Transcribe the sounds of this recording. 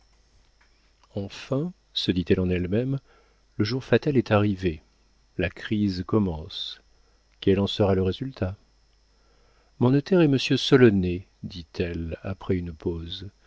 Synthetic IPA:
ɑ̃fɛ̃ | səd̪it̪ɛlɑ̃nɛlmɛm | ləʒuʁfat̪alɛt̪aʁive | lakχizkɔmɑ̃s | kɛlɑ̃səʁaləʁezylt̪ʰa | mɔ̃not̪ɛʁɛməsjøsɔlɔne | d̪it̪ʰɛla̰pχɛynpoz

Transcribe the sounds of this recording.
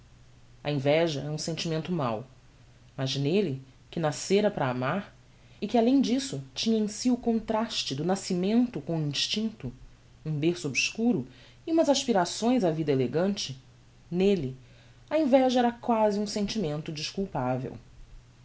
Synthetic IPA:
ɐ̰ẽvɛʒɐɛɐũsẽnt͡ʃimẽnt̪ʊma̰w | mɐʒnelɪ | kɪnaseɾɐpɾɐːmaɾ | ɪkɪalẽj̃d͡ʒisʊt͡ʃĩɲɐẽsiʊkõnt̪ɾaʃt͡ʃɪd̪ʊnasimẽnt̪ʊkõuĩʃt͡ʃĩnt̪ʊ | ũbeɾsʊobʃkuɾʊ | iũmɐzaʃpiɾasõj̃zavid̪ɐeleɡɐ̃nt͡ʃɪ | nelɪ | ɐẽvɛʒɐɛɾɐkwaziũsẽnt͡ʃimẽnt̪ʊd͡ʒiʃkuwpavḛw

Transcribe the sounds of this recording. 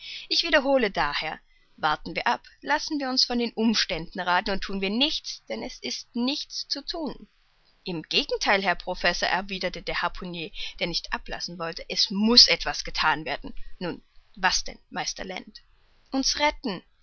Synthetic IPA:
ʔɪçv̥iːdɐɦoːlədaːheːɐ | vaɐtn̩viːɐʔaplasn̩viːɐʊnsfɔndeːnʔʊmʃtɛndn̩ʁaːtn̩ʊntʰːuːnviːɐnɪçt͡sd̥ɛnɛsɪstnɪçt͡st͡sutʰuːn | ʔɪmɡ̥eːɡŋ̩tʰaɪlɦɛɐpʁ̥ofɛsoɐʔɛɐviːdɐtədeːɐhapʰʊnjeːd̥eːɐnɪçtʔa̰pla̰sn̩vɔltəʔɛsmʊsʔɛtv̥asɡ̥ətʰaːnveːɐdn̩nuːnvasd̥ɛ̰nmaɪstɐ̰lɛ̰nt | ʔʊnsʁɛtn̩

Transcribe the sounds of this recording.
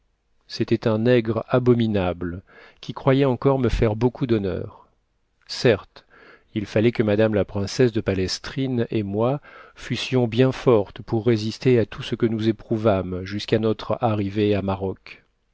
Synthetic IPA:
set̪ɛt̪ɛ̃nɛɡʁabɔminabl | kʲikχwajɛɑ̃kɔʁməfɛʁbokud̪ɔnœ̰ːʁ | sɛʁt̪ | ilfalɛkəmad̪amlapχɛ̃sɛsd̪əpalɛst̪χinemwafysjɔ̃bjɛ̃fɔʁt̪puʁːezist̪eat̪ʰusəkənuzepχuvamʒyskanɔt̪χaʁiveamaʁɔk

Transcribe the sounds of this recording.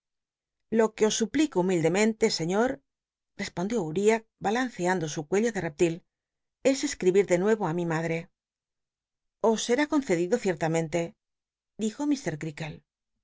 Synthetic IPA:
lo̞ke̞o̞sːuplikoumild̪e̞mẽnt̪e̞se̞ɲo̞ɾ | re̞spo̞nd̪jouɾiak̚balan̟θeand̪osukwe̞ʎoðe̞rep̚t̪il | e̞se̞skɾiβiɾðe̞nwe̞βoamimaðɾe̞ | o̞sːe̞ɾako̞nθe̞ðiðo̞θje̞ɾt̪amẽ̞nt̪e̞ | d̪ixo̞mist̪e̞ɾkɾikel

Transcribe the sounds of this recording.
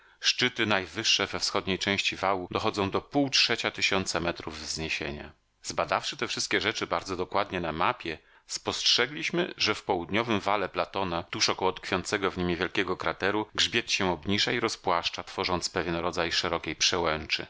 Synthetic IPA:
ʂt͡ʂɘt̪ɘnajvɘʂːɛvɛfsxɔd̪ɲejt͡ʂɛ̃w̃ɕt͡ɕivawud̪ɔxɔd̪zɔ̃w̃d̪ɔpuwtʂɛt͡ɕat̪ɘɕɔnt̪samɛt̪ɾuvːzɲeɕḛɲa̰ | zbad̪afʂɘt̪ɛfʂɘst̪̚kʲɛʐɛt͡ʂɘbaɾd̪zɔd̪ɔkwad̪ɲɛnamapʲjɛ | spɔstʂɛɡlʲiɕmɘʐɛfpɔwud̪ɲɔvɘmvalɛplat̪ɔnat̪uʂɔkɔwɔt̪kfʲjɔnt̪sɛɡɔvɲimɲevʲjɛlkʲɛɡɔkɾat̪ɛɾuɡʐbʲjɛt̪ɕɛ̃ɔbɲiʐaiɾɔspwaʂt͡ʂat̪fɔʐɔnt̪spɛvʲjɛnɾɔd̪zajʂɛɾɔkʲejpʂɛwɛnt͡ʂɘ̰

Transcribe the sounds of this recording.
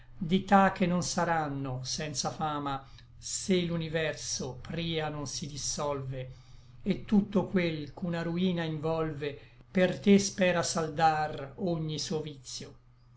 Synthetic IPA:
d̪it̪ak̟ːenːonsaɾanːosɛnt̪safaːma | selunivɛrsopɾiːanonsid̪isɔlve | et̪ːut̪ːokwelkunaɾuiːnaiɱvɔlvepert̪espɛːɾasald̪aroɲːisuovit̪sːjo

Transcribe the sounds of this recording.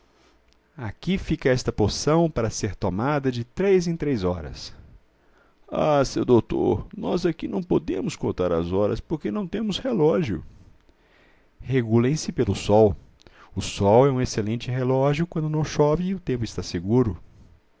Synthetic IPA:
akifikɐɛst̪ɐpoɾsɐ̃w̃paɾɐseɾt̪omad̪ɐd͡ʒɪt̪ɾejzẽt̪ɾejzɔɾɐ̰s | asewd̪owt̪o̰ɾnɔzakinɐ̃w̃pod̪ẽmʊskõt̪aɾɐ̰zɔɾɐ̰spoɾkenɐ̃w̃t̪ẽmʊshelɔʒjʊ̰ | heɡulẽj̃sɪpelʊsɔw | ʊsɔwɛũeselẽnt͡ʃɪɦelɔʒjʊkwɐ̃nd̪ʊnɐ̃w̃ʃɔvɪʊt̪ẽmpʊɪst̪aseɡuɾʊ

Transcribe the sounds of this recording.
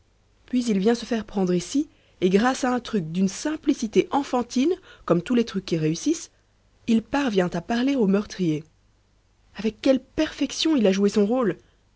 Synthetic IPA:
pɥizilvjɛ̃səfɛʁpχɑ̃d̪ʁisi | eɡʁasaɛ̃t̪χyk̚d̪ynsɛ̃plisit̪eʔɑ̃fɑ̃t̪inkɔmt̪ulet̪χykʲːiʁeysis | ilpaʁvjɛ̃t̪apaʁleomœʁt̪χije | avɛkːɛlpɛʁfɛksjɔ̃ilaʒuesɔ̃ʁol

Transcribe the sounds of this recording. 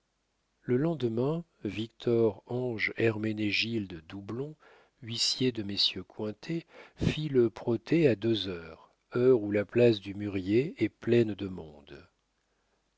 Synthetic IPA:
ləlɑ̃d̪mɛ̃ | vikt̪ʰɔʁɑ̃ʒɛʁmeneʒild̪əd̪ublɔ̃ | ɥisjed̪əmesjøkwɛ̃t̪ʰefiləpχɔt̪ʰead̪øzœːʁ | œʁulaplasd̪ymyʁjeɛplɛnd̪əmɔ̰̃d̪

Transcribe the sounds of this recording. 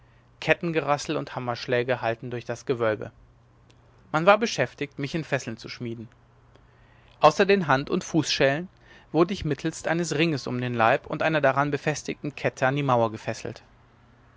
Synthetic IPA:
kʰɛtn̩ɡəʁasl̩ʊnthamɐʃlɛːɡəhaltn̩dʊɐçd̥asɡ̥əvœlbə̰ | manvaːɐbəʃɛftɪçtmɪçɪnfɛsl̩nt͡su̥ʃmiːdn̩ | ʔaʊsɐdeːnɦantʊntfuːsʃɛːlən | v̥ʊɐdəɪçmɪtʰl̩stʔaɪnəsʁɪŋəsʊ̰mdeːnlaɪpʰʊ̰ntʔaɪnɐdaʁanbəfɛstɪtn̩kʰɛtʰəandiːmaʊɐɡəfɛsl̩t

